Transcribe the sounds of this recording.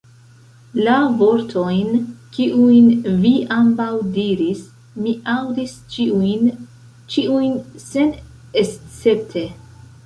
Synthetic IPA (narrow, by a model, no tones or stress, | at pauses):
lavo̞ɾtʰo̞jnkiʔujnviambawdiɾis | miʔawdist͡ʃin | t͡ʃiujnse̞n | est͡se̞p̚tʰe̞